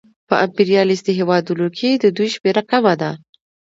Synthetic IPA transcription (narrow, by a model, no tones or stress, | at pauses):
pəʔampiɾijɑlisd̪əɦewɑd̪unokʰed̪əd̪ujʃmeɾakamad̪a